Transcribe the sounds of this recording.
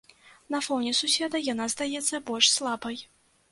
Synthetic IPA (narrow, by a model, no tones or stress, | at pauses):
nɐfɔwnʲɛsusʲɛd̪ɐjanazd̪ajɛt̪sːɐbɔlʲʂslˠabɐj